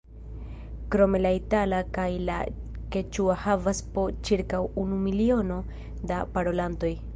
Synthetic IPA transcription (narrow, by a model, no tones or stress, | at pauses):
kɾo̞me̞laitalakajla̰ | ket͡ʃuahavaspo̞t͡ʃiɾkawunumilio̞no̞ | dapaɾo̞lanto̞j